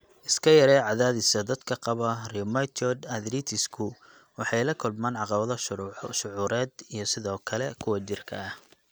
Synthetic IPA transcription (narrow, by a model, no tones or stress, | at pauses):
ʔɪskʰɐjɐɾɛːʕɑðaːðɪsɐd̪ɐd̪kʰɐqɑβɐrimɐjt͡ʃ̪ɔd̪ɐðɾit̪ʰɪskʰʊ | wɑħɑjlɐkʰʊlmaːnʕɑqɑβɐðɐʃʊʕuːɾɛːd̪ijɞsɪðɔːkʰɐlɛkʰʊwɐt͡ʃɪrkʰɐ̰ɐh